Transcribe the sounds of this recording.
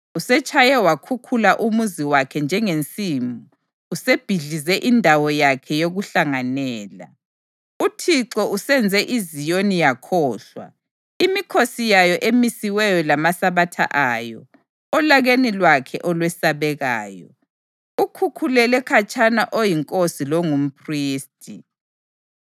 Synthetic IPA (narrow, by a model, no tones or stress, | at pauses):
usɛt͡ʃʼʰajɛwakʰukʰulaʔumuziwakʰɛnd͡ʒʱɛŋent͡sʼiːmuː | seb̥ʱiɮizɛʔindʱawɔjakʰɛjoɣuɬaŋanɛːla̰ | utʰiǁɔʔusɛnd͡zʱɛʔizijonijakʰɔːɬwa̰ | imikʰosijajɔʔemisiwɛjɔlamasaβatʰa̰ʔajɔ̰ | ɔlaɣenilwakʰɛʔɔlwɛsaβɛɣa̰ːjɔ̰ | ukʰukʰulɛlɛkʰat͡ʃʼanaʔojiŋkʼosilɔŋum̩pʰriːstʰʼi